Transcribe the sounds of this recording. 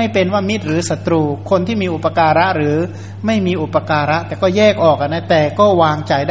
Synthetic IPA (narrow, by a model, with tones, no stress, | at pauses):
a˥˩jpe˧nwaː˥˩mi˦˥t̪̚ɾɯː˩˦sa˨˩t̪ɾuː˧kʰo˧nt̪ʰiː˥˩miː˧ʔu˨˩pːa˧kaː˧ɾa˦˥ʔɾɯː˩˦ | ma˥˩jmiː˧ʔu˨˩pːa˧kaː˧ɾa˦˥ʔt̪ɛː˨˩kɔː˥˩jɛː˥˩k̚ʔɔː˨˩k̚ʔa˨˩na˦˥t̪ɛː˨˩kɔː˥˩waː˧ŋt͡ɕa˨˩jda˥